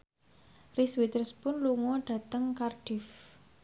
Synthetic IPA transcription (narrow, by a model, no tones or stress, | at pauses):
riswit̪ərspʊnluŋɔɖ̥ä̤t̪əŋkarɖ̥if